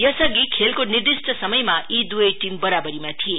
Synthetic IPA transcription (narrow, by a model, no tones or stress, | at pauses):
jʌsʌɡikʰelkonird̪isʈʰʌsʌmʌjmaid̪ujʌjʈimbʌɾabʌɾimat̪ʰie